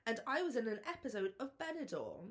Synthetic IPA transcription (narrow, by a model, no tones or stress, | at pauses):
ə̃naɪwɒzɪ̃nə̃nɛpɪsəʊdəvbɛnɪdɔ̰ː